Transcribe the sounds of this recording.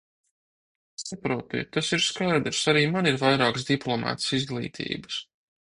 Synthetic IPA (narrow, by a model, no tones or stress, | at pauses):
sapɾuːt̪ḭt̪asiɾskajd̪ɾsaɾiːmaniɾvajɾaːksd̪iplˠɔmɑ̰ːt̪sizɡlˠḭːt̪ʰḭːbə̥s